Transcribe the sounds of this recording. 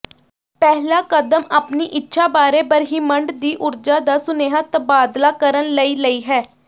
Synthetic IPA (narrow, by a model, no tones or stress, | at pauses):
pɛɦlaːkəd̪əmaːpniːʔɪtːʃʰaːbaːɾeːpəɾɦiːməɳɖd̪iːʔʊɾd͡ʒaːd̪aːsʊneːɦat̪əbaːd̪laːkəɾənləiːləiːɦɛː